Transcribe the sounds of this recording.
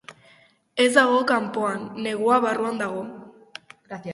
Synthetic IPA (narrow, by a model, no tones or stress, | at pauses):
e̞zd̪aɣo̞kampo̞anːe̞ɣuaβaruand̪aɣ̞o̞